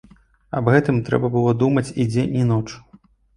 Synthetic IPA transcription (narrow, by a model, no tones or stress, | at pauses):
ɐbɣɛt̪ɨmt̪ɾɛ̰bɐbɨlˠɔd̪umɐt͡sʲid͡zʲenʲinɔt͡ʂ